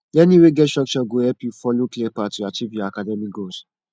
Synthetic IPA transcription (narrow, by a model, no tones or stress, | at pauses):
jɛnĩweɡɛtsʃɔk̚t͡ʃɔɡohɛpjufɔloklepatuat͡ʃivjɔakadɛmik̚ɡos